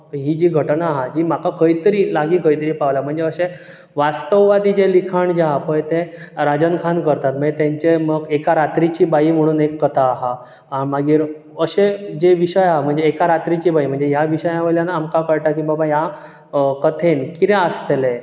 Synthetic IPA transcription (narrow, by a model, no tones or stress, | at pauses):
ɦid͡ʑiːɡʱəʈnaːɦad͡ʑiːm̤akakəit̪əɾiːlaɡiːkəit̪əɾiːpaʋlam̤əɳd͡zeəɕe | ʋast̪əʋʋad̪iːd͡ʑelikʰaɳd͡ʑaɦapəjt̪eɾad͡ʑənkʰankəɾt̪at̪̚m̤əɳd͡zet̪jãɲt͡ɕeməɡekaɾat̪ɾit͡ɕiːbaim̤əɽ̃uːnekːət̪ʰaːɦa | amaɡiːɾ | əɕed͡ʑeʋiɕəjaɦam̤əɳd͡zeːkaɾat̪ɾit͡ɕiːbaim̤əɳd͡zeɦjaʋiɕəjaʋeljanaamkakəɾʈakĩbabaja | kət̪ʰenkit̪eəst̪ele